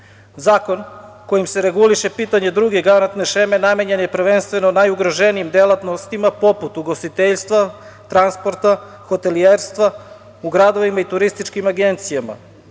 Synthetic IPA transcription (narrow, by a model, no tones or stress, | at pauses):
zaːko̞n | ko̞jimse̞ɾe̞ɡuliʃe̞piːt̪aɲe̞d̪ɾuɡe̞ɡanant̪ne̞ʃe̞me̞name̞ɲenjepɾ̩ʋe̞nst̪ʋe̞nonajuɡɾoʒe̞niimd̪elˠat̪nost̪imapo̞put̪uɡost̪it̪eʎst̪ʋa | t̪ɾanspo̞ɾt̪a | xo̞t̪e̞lieɾst̪ʋa | uɡɾad̪o̞ʋimait̪uɾist̪it͡ʃkimaɡe̞nt̪sijama̰